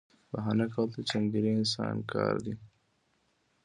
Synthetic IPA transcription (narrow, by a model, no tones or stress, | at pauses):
baɦanakalt̪ət͡ʃaŋɡ̪iɾiɪnsɑnkʰɑɾd̪i